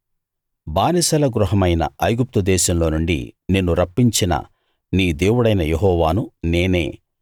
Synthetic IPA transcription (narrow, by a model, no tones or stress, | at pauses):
baːnisɐlɐɡɾuɦɐmɐjnɐ̰ɐjɡup̚t̪ud̪ɛːʃɐmlo̞ːnuɳɖḭnenːuɾɐpːiɲt͡ʃinɐ̰ | niːd̪eːwuɽɐjnɐjeɦɔːʋaːnuneːne̞̰ː